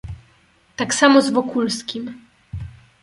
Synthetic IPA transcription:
t̪aksamɔzvɔkulskʲim

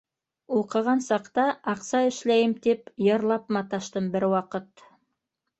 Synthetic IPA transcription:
oqɤ̆ʁɑnsɑqt̪ɑʔɑqsɑɘ̆ʃlæjɘmt̪epjɑ̆ɾlˠɑpmɑt̪ɑʃt̪ɤmbɘɾwɑqət̪

